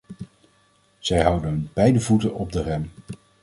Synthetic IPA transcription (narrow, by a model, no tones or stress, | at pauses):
z̥ɛjɦɑwdəɦənbɛjdəvutənɔb̚dərɛm